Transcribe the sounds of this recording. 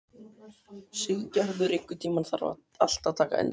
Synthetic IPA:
sʏɣcœhðʏɾɪ̥kwʏt̪ʰiːmanθaɾa̰a̰ | a̰l̥t̪aðt̪ʰaːka̰ɛ̰nː

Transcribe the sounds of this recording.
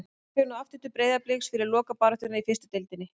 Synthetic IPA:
fɛɾnɔaft̪ʏt̪ːʏpɾeːjðaplɛːksfɪɾɪɾlɔːkapaːɾat̪ʏnaifɪrst̪ʏ̥t̪ɪlt̪ɪnːɪ

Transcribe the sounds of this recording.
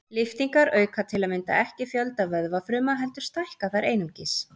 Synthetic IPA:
lɪft̪iŋkaɾœːɥkʰat̪ʰɪlaðmɪnt̪a̰ɛhcɪfjœlt̪avœðvafɾʏːmaɦɛl̪t̪ʏɾ̥st̪ajhkaθajɾʔejnʏmcɪs

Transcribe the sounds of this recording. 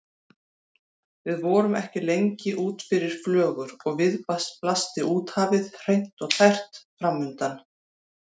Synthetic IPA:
vɪðvɔːɾʏmɛ̰hcɪlejɲcɪʔuːt̪fɪɾɪɾ̥flœːɣʏɾɔɣvɪðpasplast̪ɪʔuːt̪haːvɪðr̥ejn̥t̪ɔɣt̪ʰajr̥t̪fɾamːʏnt̪an

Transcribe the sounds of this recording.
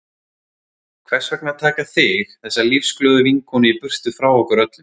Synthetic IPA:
kʰvɛr̥svɛk̚nɪat̪ʰaːkaθɪxθɛsːalifsklœːðʏviŋkʰɔnɪipʏr̥t̪ʏfɾawɔhkʏɾœt̪lɪm

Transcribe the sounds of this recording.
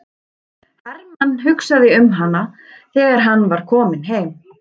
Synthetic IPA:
hɛɾmanːɦʏksaðɪʏmɦanːa | θɛːɣaɾ̥ɦanːvaɾ̥kʰɔːmɪnɦeːjm

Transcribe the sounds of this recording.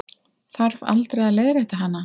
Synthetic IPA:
θaɾva̰lt̪ɾejðaleːjðɾɛht̪aɦanːa

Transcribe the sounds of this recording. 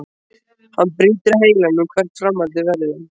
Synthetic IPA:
hanːpɾiːt̪ɪɾaheːjlanːʏmkʰvɛr̥t̪fɾamːaɾt̪ɪvɛɾðʏm

